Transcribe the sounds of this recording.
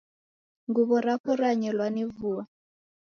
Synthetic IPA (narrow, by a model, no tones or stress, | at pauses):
ŋɡuβɔɾakɔɾaɲɛlwanivuwa